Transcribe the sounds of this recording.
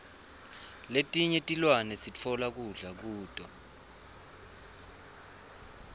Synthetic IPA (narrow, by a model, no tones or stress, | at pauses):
letʼiɲɛtʼilwanɛsit͡fʰɔlak̬uɮak̬uːtʼɔ